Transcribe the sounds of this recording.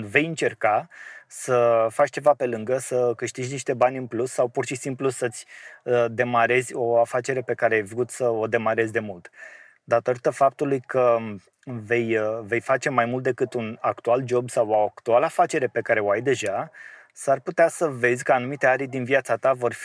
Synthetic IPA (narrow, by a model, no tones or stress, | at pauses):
ve̞jɨnt͡ʃe̞rkasəfat͡ʃt͡ʃe̞vape̞lɨŋɡəsəkɨʃt̪iʒniʃt̪e̞banʲɨnplusːawpurʃisimplusət̪sʲd̪e̞maɾe̞zʲo̞afat͡ʃe̞ɾe̞pe̞kaɾeajvɾut̪səo̞d̪e̞maɾe̞zʲd̪e̞mult̪ | d̪at̪o̞ɾit̪əfap̚t̪ulujkə | ve̞jve̞jfat͡ʃe̞majmult̪̚d̪e̞kɨt̪unakt̪uald͡ʒo̞bsawoakt̪ualafat͡ʃe̞ɾe̞pe̞kaɾe̞oajd̪e̞ʒa | sarput̪easəve̞zʲkəanumit̪e̞aɾʲd̪inviat̪sat̪avo̞rf